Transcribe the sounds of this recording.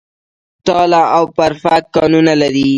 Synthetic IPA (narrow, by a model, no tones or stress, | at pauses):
t̪ɑlaawpaɾfakːɑnunalaɾi